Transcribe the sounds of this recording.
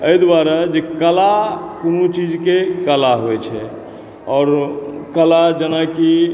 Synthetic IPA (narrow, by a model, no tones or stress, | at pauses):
əjd̪waɾad͡ʒekəlakonut͡ʃid͡ʒkekəlaɦojt͡ʃʰɛ | ɔːɾkəlad͡ʒənaki